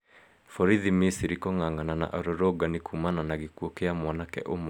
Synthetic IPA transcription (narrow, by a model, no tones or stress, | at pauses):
fɔɾiðimisiɾikɔŋaŋanana̰ʔɔɾɔɾɔɡanikʰumananaɣekwɔkeamwɔnakɛ̰ʔomo